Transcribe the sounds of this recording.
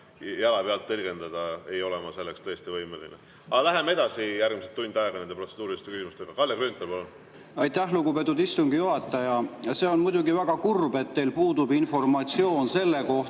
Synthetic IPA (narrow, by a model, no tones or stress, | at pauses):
jɑlɑpeɑlt̪ːelʲɡ̥e̞nd̪ɑd̪̥ɑejo̞lemɑse̞lːe̞kst̪ɤjest̪ivɤjmelḭnḛ | ɑlæɦemːee̞d̪ɑsijærɡmiset̪ːund̪̥ɑeɡ̥ɑnend̪pro̞t̪seuːɾilist̪e̞kysimust̪e̞ɡ̥ɑkɑljɑkɾynt̪ːˑelpolun | ɑjt̪ːˑæhluɡube̞t̪̬ːˑud̪ist̪uŋɡ̥ijuɦɑt̪ːˑɑjɑjɑse̞o̞nmujd̪uɡivæɡ̥ɑkurbe̞t̪ːe̞jlpuːd̪ubinfo̞rmɑt̪sio̞ːnse̞lːe̞ko̞h